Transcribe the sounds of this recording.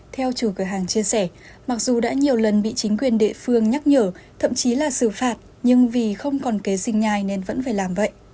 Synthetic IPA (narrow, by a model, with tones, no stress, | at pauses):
t̪ʰɛ˧wt͡ɕu˧˩kɨ˧˩ɦaː˨˩ŋt͡ɕi˧əsɛ˧˩ | ma˨˩k̚zu˨˩ɗa̰ː˧˥ɲi˨˩əwlə˨˩nɓḭ˧˨t͡ɕï˨˦ŋ̟kwi˨˩ənɗḛ˧˨fɨ˧əŋɲa˦˥k̚ɲəː˧˩t̪ʰə̰˧˨mt͡ɕi˨˦laː˨˩sɨ˧˩faː˨˩t̚ | ɲɨ˧ŋvi˨˩xə˧wŋ͡mkɔ˨˩nke˨˦zï˨˩ŋ̟ɲaː˧˨˩jne˧nvə̰˧˥nfaː˧˩jlaː˨˩mvə̰˧˨jʔ